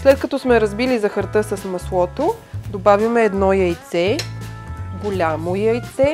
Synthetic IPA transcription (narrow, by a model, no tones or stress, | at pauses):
slɛt̪̚kɐt̪ɔsmɛɾɐzbilizɐxɐɾt̪ɤsəsmɐslˠɔt̪o | d̪obavimɛːd̪nɔjəjt̪sɛ | ɡolʲamojəjt̪sɛ